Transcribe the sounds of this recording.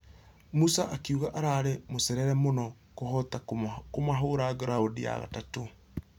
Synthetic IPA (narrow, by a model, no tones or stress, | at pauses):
musaʔakiuɣaʔaɾaɾemosɛɾɛɾɛmonɔ | kohɔtakomaɦoɾaɣɾaodija̰ɣa̰tato